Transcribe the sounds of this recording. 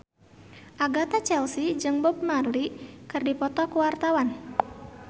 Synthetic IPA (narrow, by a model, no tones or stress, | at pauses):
ʔaɡat̪at͡ʃɛlsid͡ʒɨŋbɔb̚marlikɨrdipɔt̪ɔkuwart̪awan